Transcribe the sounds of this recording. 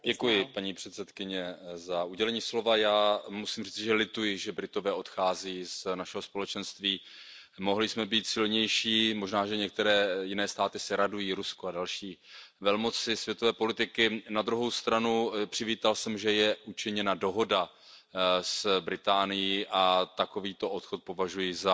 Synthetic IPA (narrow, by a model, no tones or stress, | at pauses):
dɛkujɪpaɲiːpr̝̥ɛt̪sɛt̪kɪɲɛzaʔuɟɛlɛɲiːslo̞vajaːmusiːmriːt͡sɪʒɛlɪt̪ujɪʒɛbɾɪt̪o̞vɛːʔo̞t̪xaːziːznaʃɛɦospo̞lɛt͡ʃɛnst̪viː | mo̞ɦlɪsmɛbiːt̪sɪlɲɛjʃiːmo̞ʒnaːʒɛɲɛk̚t̪ɛɾɛːjɪnɛːst̪aːt̪ɪsɪɾadujiːɾuskoadalʃiːvɛlmo̞t͡sɪsvjɛt̪o̞vɛːpo̞lɪt̪ɪkɪnad̪ɾuɦo̞wst̪ɾanupr̝̥ɪviːt̪alsɛmʒɛjɛʔut͡ʃɪɲɛnado̞ɦo̞da | sbɾɪt̪aːnɪjiʔat̪ako̞viːt̪o̞ʔot̪xot̪̚po̞vaʒujɪza